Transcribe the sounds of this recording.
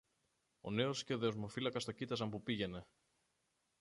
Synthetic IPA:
o̞̰ne̞o̞sce̞oðe̞o̞zmo̞filɐkɐst̪o̞cit̪ɐs̬ɐmpupiʝe̞ne̞

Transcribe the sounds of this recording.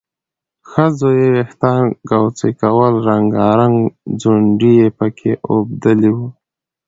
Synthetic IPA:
xəzojeweht̪ɑnɡawt͡sekawəlɾaŋɡɑɾaŋɡd͡zuɳɖijepəkʰeʔobd̪əliwu

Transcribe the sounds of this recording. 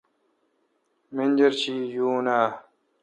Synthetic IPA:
mend͡ʑɐɾt͡ɕʰiːjuːnaː

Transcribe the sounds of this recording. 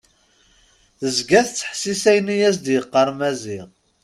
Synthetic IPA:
θəzɡæθt͡sːə̥ħsisæjnijæs̬d̪jəqːɑɾˤmæziʁ

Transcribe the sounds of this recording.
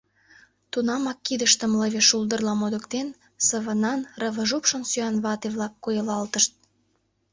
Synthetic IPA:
t̪unɑmɑkːid̪əʃt̪ə̆mləβʲeʃuld̪ərlɑmod̪ə̆kt̪en | səβə̆nɑnrə̆βə̆ʒupʃə̆nsyɑnβɑt̪eβlɑkːojəlɑlt̪əʃt̪̚

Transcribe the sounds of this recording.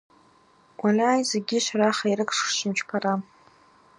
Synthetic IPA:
alaːjzeɡʲɪʃʷaɾaχairɨkʰʂʃɪmt͡ʃʰpʰaɾa

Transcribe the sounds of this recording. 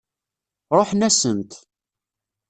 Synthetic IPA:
ɾˤoħnæsənt̪

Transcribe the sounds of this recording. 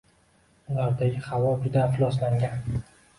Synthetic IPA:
ʊlˠaɾd̪aɡʲɪχavɒbɪd̪afɪlˠɒslaŋɡʲan

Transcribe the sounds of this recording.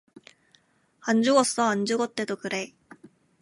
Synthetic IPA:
and͡ʑuɡʌs͈ʌand͡ʑuɡʌt̪͈ːe̞d̪okɯɾe

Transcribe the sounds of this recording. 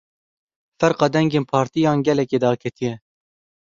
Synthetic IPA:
fɛɾqɑːd̪ɛŋɡeːnpʰɑːɾt̪ijɑːnɡɛlɛkeːd̪ɑːkʰɛt̪ʰijɛ

